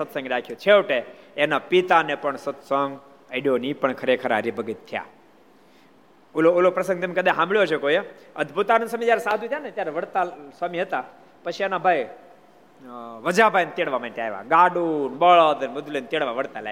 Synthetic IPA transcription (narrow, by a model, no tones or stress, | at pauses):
sət̪sə̃ŋɡɾakʰijot͡ʃʰeʋʈeenapit̪anepəɳsət̪sɔ̃ŋɡ | əɽijonipəɳkʰəɾekʰəɾaɾibʱəɡit̪ʰːja̰ | uloolopɾəsə̃ŋɡt̪emkəd̪aɦãmbɭjot͡ʃʰekojeəd̪bʱut̪anusəmid͡ʒjaɾesad̪ʱut̪ʰjanet̪jaɾeʋəɽt̪asʋamiɦət̪a | pət͡ʃʰienabʱaj | ʋəd͡ʒabʱajnt̪eɽʋamãnt̪eaɦeʋa̰ɡaɖunbəɭəd̪ənbʊd̪lent̪eɽʋaʋəɽt̪ala̰